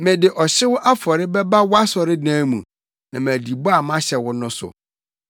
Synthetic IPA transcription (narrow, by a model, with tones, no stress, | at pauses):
mɪ̃˨dɪ˨ʔɔ˨ɕɪ˦wʊ˦ʔa˦fɔ˨ɾɪ˦bɛ˦ba˦wʊ˦a˦sɔ˨ɾɪ˦dãː˦mũ˨ | nã̰˨m˨æ̃˨di˨bɔ˦a˨mã˦ɕɛ˨wʊ˦nʊ̃˦sʊ̰˨